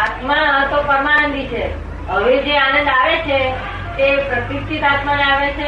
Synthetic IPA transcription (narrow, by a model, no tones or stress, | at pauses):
at̪mãɦət̪opəɾmanənd̪ʱit͡ʃʰe | ɦəʋed͡ʒeanənd̪aʋet͡ʃʰe | t̪epɾət̪isʈʰit̪at̪maneaʋet͡ʃʰe